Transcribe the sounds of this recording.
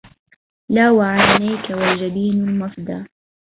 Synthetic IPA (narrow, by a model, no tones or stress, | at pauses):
laːwaʕanːajkawad͡ʒabiːnʊlmɑfd̪aː